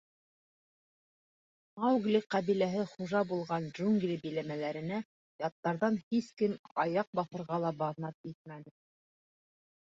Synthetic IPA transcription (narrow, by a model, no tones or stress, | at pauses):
mɑwɡlʲiqɑβilæɦɘχuʒɑbulˠʁɑndʒuŋɡlʲibɘ̆læmælæɾɘ̆næ | jɑt̪ːɑɾðɑnhiskɘmɑjɑq̚bɑθɤ̆ɾʁɑlˠɑbɑðnɑp̪̚it̪̚mænɘ